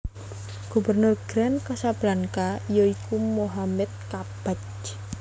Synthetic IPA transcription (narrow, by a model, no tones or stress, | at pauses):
ɡ̥ubərnʊrɡ̥ɾɛnkasablaŋkaijɔikumoɦamɛt̪̚kab̥at͡ʃ